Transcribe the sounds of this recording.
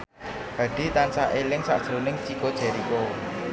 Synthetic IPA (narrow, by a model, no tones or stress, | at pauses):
b̥ä̤ɖ̪̥i̤t̪ansaʔelɪŋsa̰ʔd̥ʒ̥ɾonɪŋt͡ʃikod̥ʒ̥ɛ̤ɾiko